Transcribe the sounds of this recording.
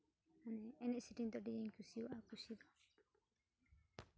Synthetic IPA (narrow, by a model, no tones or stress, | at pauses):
manɛːnɛʔsiʈind̪ɔɖieɲkusiwaʔakusid̪ɔ